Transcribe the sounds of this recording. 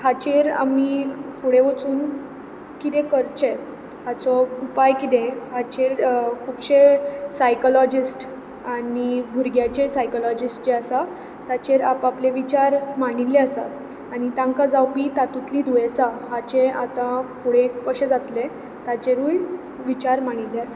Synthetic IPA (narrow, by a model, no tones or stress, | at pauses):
ɦat͡ɕeɾa̰mifuɽẽʋət͡suːn | kit̪ẽkəɾt͡ɕe | hat͡sɔupajkit̪ẽɦat͡ɕeɾkʰuːbɕesajkɔlɔd͡ʑisʈ | anibʱuɾɡjat͡ɕesajkɔlɔd͡ʑisʈd͡ʑeasa | t̪at͡ɕeɾapapleʋit͡ɕaɾmaɽ̃ilːeasa̰ | aɽ̃it̪ãŋkad͡zawpiːt̪at̪ut̪lid̪ʱuesaɦat͡ɕeat̪ãfuɽẽkəɕed͡zat̪le | t̪at͡ɕeɾuːj | ʋit͡ɕaɾmaɽ̃ileasa